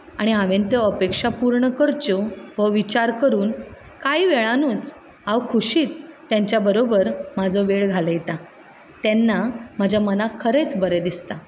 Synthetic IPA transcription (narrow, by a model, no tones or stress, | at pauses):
aɽ̃iaʋent̪eəpekʂapuɾɳəkəɾt͡ɕoʋəʋit͡ɕaɾkəɾuːn | kaiʋeɭanuːt͡s | aʋkʰuɕiːt̪ː | jaɲt͡ɕjabəɾobəɾmad͡zʱɔʋeɭɡʱaləjet̪a | t̪ɛnːam̤ad͡ʑʱjamənakʰəɾet͡sbəɾed̪ist̪a